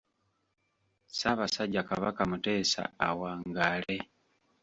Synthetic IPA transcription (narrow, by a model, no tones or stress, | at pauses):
saβasaɟakaβakamute̞ːsa̰ːwaːŋɡaːle